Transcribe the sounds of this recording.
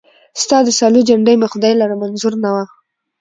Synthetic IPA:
st̪ɑd̪əsɑlud͡ʒaɳɖəjmaxʊd̪ɑjlaɾamanzʊɾnawa

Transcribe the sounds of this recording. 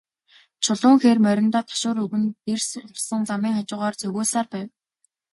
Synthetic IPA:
t͡ɕʰʊɮʊːŋxeːrmœɾʲɪ̆nt̪ɔːt̪ʰḁʃʊːɾɵɣɘ̆nt̪ersʊɮsə̆ŋt͡samiːŋχat͡ɕʊːʁɔːrt͡sɵɣoːsaːrpæːw

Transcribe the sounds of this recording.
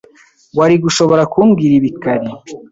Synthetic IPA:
waɾiɡuʃo̞βo̞ɾakumɡiːɾiβikaɾi

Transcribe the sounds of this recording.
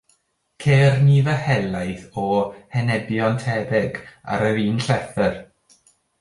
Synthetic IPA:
kʰeːrniðəhɛlˠajθɔhɛnɛbjɔntʰɛbɪɡa̰ɾəɾiːnɬɛθər

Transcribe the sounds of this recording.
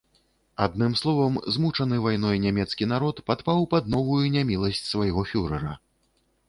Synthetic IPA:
ad̪nɨmslˠɔvɐmzmut͡ʂɐnɨvajn̪ɔjnʲamʲɛt̪skʲinaɾɔt̪pat̪pawpɐd̪nɔvujunʲamʲilˠɐsʲt͡sʲsvajɣɔfʲuɾɐɾɐ

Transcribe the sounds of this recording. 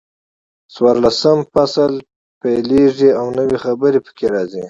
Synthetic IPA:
swɑɾlasəmfasal | pajleʐiawnəwexabəɾepə̥kʰeɾɑzi

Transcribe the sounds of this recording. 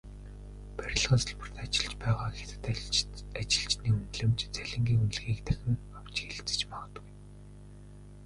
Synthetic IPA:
pæɾʲɪ̆ɮʁaːsăɮpə̆r̥t̪ʰat͡ɕɪ̆ɮt͡ɕpæːʁaːxet̪ɘ̥̆t̪at͡ɕɪ̆ɮt͡ɕniːunɮɘ̆mt͡ɕt͡sæɮʲɪ̆ŋɡʲiːŋunɮɣiːkt̪ʰæxʲɪ̆ŋ | aw̥t͡ɕxeɮ̆t͡sɘ̥̆t͡ɕmɔʁɞ̆t̪ɡuj

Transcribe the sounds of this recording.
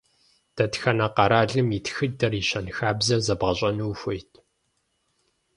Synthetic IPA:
d̥ɐtxɐnɐqɑɾaːɮɨmitxɨdɐriɕɐnxaːbzɐzɐbʁɐɕʼɐnuːxʷʊjtʰ

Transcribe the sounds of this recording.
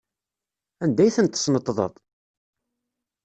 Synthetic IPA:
ænd̪æjθənt̪ːəsnət̪ːˤðˤə̰t̪ˤ

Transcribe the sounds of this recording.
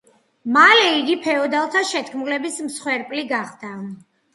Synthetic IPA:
malɛiɡipʰɛɔd̪alˠt̪ʰaʃɛt̪ʰkʰmulɛbismsχwɛɾpʼliɡaχd̪̥a

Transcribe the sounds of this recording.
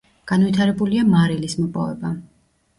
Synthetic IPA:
ɡ̥anvit̪ʰaɾɛbuliamaɾilismɔpʼɔ̰vɛ̰ba

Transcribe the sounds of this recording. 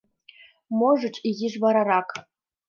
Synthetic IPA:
moʐɤ̆t͡ɕiɣʲiʐʋɑɾɑɾɑk

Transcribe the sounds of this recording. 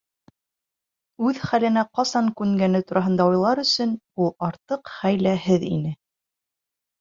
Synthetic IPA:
ʉðχælɘ̆næqɑsɑŋkʉŋɡænɘt̪uɾʔɑɦɤ̆nd̪ɑujlˠɑɾɵ̆sɵn | ulˠɑɾt̪ɤqχæjlæhɘðḭnɘ

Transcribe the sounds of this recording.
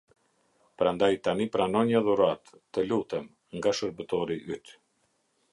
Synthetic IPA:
pɾand̪ajt̪anipɾanɔɲaðuɾat̪ːəlut̪ɛm | ŋɡaʃəɾbət̪ɔɾiʔyt̪

